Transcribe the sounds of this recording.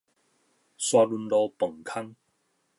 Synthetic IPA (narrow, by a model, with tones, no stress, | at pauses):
swa˧lu˧nlo˧pə˨˩ŋkʰa˥ŋ